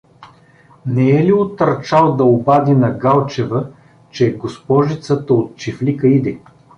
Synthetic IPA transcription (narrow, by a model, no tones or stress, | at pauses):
nɛɛliot̪ɐɾt͡ʃalˠd̪ɐobad̪inɐɡalˠt͡ʃɛvə | t͡ʃɛɡospɔʒit̪sət̪əot̪̚t͡ʃiflikəid̪ɛ